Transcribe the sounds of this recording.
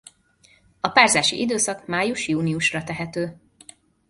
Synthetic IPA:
ɒpaːrzaːʃḭʔid̪øːsɒkmaːjuʃjuːniuʃrɒt̪ɛɦɛt̪øː

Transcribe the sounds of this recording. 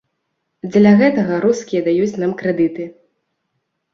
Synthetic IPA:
d͡zʲlʲɐɣɛt̪ɐɣɐɾuskʲijɐd̪ajut͡sʲnamkɾɛd̪ɨt̪ɨ

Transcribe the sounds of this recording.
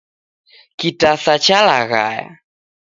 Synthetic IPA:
kitasat͡ʃalaɣa̰ja̰

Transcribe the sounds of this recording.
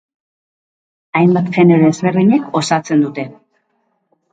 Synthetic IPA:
ajmbat̪fe̞neɾoezβe̞rðiɲeko̞sat͡se̞nd̪ut̪e̞

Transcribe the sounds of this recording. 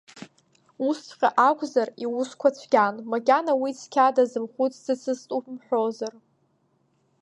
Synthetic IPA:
usʰqʲʼaʔakʷʰʼzariwʊskʷʰat͡ɕʷʰɡʲanmaɡʲanawit͡sʰkʲʰadazɨmχʷut͡sʰʼzɨt͡sʰɨstʼupʰmħʷᶣozar

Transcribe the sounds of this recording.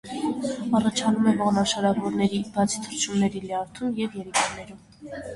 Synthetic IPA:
ɑrɑt͡ʃʰɑnumɛvɔʁnɑʃɑɾɑvɔɾnɛɾibɑt͡sʰi̥t̪ʰəɾt͡ʃʰumnɛɾilɛɑɾt̪ʰumjɛvjɛɾikɑnɛɾum

